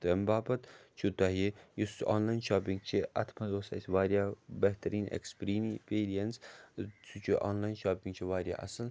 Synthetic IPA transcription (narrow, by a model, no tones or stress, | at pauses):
t̪embaːbɐt̪t͡ʃʰut̪aːɦijusaːnlaːjnʃaːpiŋɡt͡ʃʰiɐ̰t̪ʰmɐd̪oːsa̰sʋaːɾjaːbɐɦt̪ɐɾiːnḛkspɾiːnipeːɾijɐnst͡sʰut͡ʃʰiʔa̰ːnlaːjnʃaːpĩŋɡt͡ʃʰiʋaːɾja̰ːʔɐ̰sɐl